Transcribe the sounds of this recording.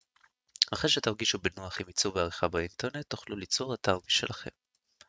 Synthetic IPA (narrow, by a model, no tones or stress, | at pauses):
aχʁeʃet̪aʁɡiʃubenuaχimit͡suveaʁiχabainteʁne̞t̪ːoχlulit͡soʁataʁmiʃelaχe̞̰m